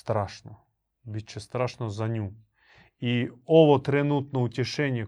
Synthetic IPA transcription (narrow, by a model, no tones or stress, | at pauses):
st̪ɾaʃnɔ | bʲit͡ʃːɛst̪ɾaʃnɔzɐnʲu | iɔʋɔt̪ɾenut̪nɔutʲɪʃɛnʲːɐ